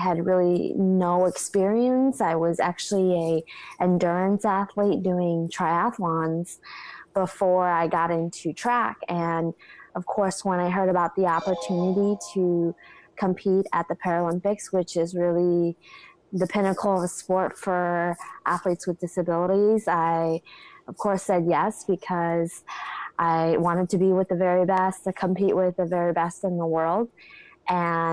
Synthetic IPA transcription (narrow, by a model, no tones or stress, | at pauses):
ɨd̚ɹɪlˠinoʊɨkspɪɹiɨ̃nsaɪwʌzæ̰k̚t͡ʃʉl̩ˠiɨʔɨ̃ndʊ˞ɨ̃nsæθlit̚d̥ʉɪ̃ŋtʰɹ̥aɪɑ̃flɑ̃nz̥b̥əfɔɹaɪɡɑɾɪ̃ntʰʉtʰɹ̥ækɨ̃nʌv̥kʰɔɹswə̃ñaɪɦɜ˞ɾɨbaʊt̪̚ðiɑpə˞tʰʉnɨɾiɾɨkʰə̃mpʰiɾɨt̪̚ðɨpʰɛɹɨlɪ̃mpɨkswɪt͡ʃɪzɹɪlˠi | ðɨpʰɪnɨkʰl̩ˠʌvspɔɹtfə˞ʔæθlitswɨðdɪsɨbɪlˠəɾizaɪʌv̥kʰɔɹsɛd̚jɛsb̥ɨkʰʌzʔaɪwɑ̃ɾ̃ɨd̚tʰɨbiwɨðɨvɛɹibɛstɨkʰə̃m̩piʔwʔɪðɨvɛɹibɛstɨ̃nðəwɜ˞lˠd̚ʔɨ̃